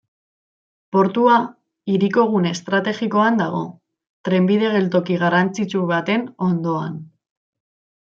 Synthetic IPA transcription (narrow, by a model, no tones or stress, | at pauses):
po̞ɾt̪ua | iɾiko̞ɣ̞une̞st̪ɾat̪e̞ɣiko̞and̪aɣ̞o̞̰ | t̪ɾe̞mbiðe̞ɣ̞e̞lt̪̬o̞kiɣ̞arant͡sit͡suβat̪e̞no̞nd̪o̞an